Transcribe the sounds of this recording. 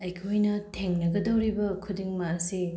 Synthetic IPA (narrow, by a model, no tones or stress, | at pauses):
ɐjkʰojnɐtʰeŋnɐɡɐdɐwɾibɐkʰudiŋmɐːsi